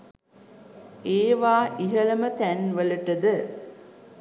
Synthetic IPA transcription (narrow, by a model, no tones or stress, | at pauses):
eːʋaːʔiɦələmət̪ænʋələʈəd̪ə